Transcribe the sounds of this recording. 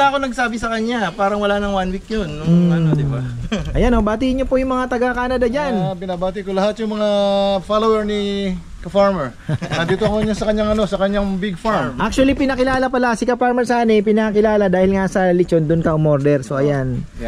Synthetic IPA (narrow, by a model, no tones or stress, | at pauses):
aːɐkonɐɡ̚saːbɪsɐkɐɲapaːɾɐŋwɐlanɐŋwanwik̚ɲonːʊanod̪ɪbaʔɐjanːobaːt̪iɲopojʊŋmɐŋat̪ɐɡakaːnɐd̪ad͡ʒanbɪnabaːt̪ikʊlɐhat̪̚jʊŋmɐŋafalowɛɹni | kɐfaɹmɛɹ | ɐd̪iːt̪oɐkoɲasɐkɐɲːaŋɐno̞sɐkɐɲaŋbiɡ̚faɹmʔak̚t͡ʃuɐlipɪnɐkɪlaːlɐpɐlasɪkɐpaɹmɛɾsʔaːnɛpɪnakɪlaːlɐd̪aːhɪlŋasɐlɪt͡ʃond̪ʊnkɐʔʊmoɾd̪ɛɾso̞ʔɐjan